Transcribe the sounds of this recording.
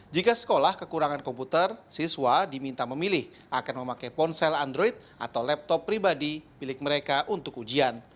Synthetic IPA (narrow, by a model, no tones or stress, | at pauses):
d͡ʒikasə̥kolahkəkuɾaŋankɔmput̪ərsiswadimint̪aməmilɪh | ʔakanməmakajpɔnsɛlandɾɔit̪̚ʔa̰t̪awlɛp̚t̪ɔpːɾibadibilɪk̚məɾekaʔunt̪ʊkud͡ʒian